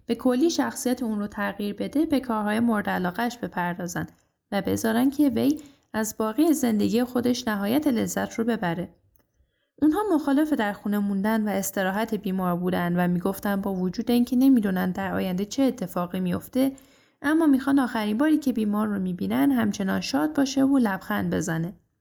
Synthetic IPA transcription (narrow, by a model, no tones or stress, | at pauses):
b̥e̞kʰo̞lːiːʃæxsijæt̪ʰeunrot̪ʰæɣiːɾbe̞d̪e̞be̞kʰɒːɾhɒːje̞mo̞ɾd̪ælɒːɣæʃb̥e̞pʰæɾd̪ɒːzæ̰nd̪̥ | væbe̞zɒːɾænd̥̪cʰe̞ve̞j | æzbɒːɣiːeze̞nd̪e̞ɡije̞xo̞d̪e̞ʃnæɦɒːjæt̪ʰe̞le̞zːæt̪ʰrobe̞bæɾe̞ | ʔunɦɒːmo̞xɒːle̞fe̞d̪æɾxune̞mund̪ænvæe̞st̪e̞ɾɒːɦæt̪ʰe̞biːmɒːɾbuːd̪ænd̪væmiːɡo̞ft̪ænd̪bɒːvod͡ʒuːd̪e̞iːncʰe̞ne̞miːd̪unænd̪æɾʔɒ̰ːjænd̪et͡ʃʰeːt̪ʰːe̞fɒːɣimijo̞ft̪e̞ | ʔæmːɒːmixɒnd̪ɒːxæɾiːmbɒːɾiːcʰe̞biːmɒːɾːomiːbiːnænd̪hæmt͡ʃʰe̞nɒːnʃɒːd̪̚bɒːʃe̞volæb̥xænd̪be̞zæne̞